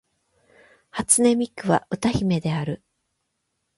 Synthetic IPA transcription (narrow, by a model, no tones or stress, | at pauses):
hat͡sɨne̞mʲikːɯ̟βa̰ʔɯ̟t̪açime̞d̪e̞aɾɯ̟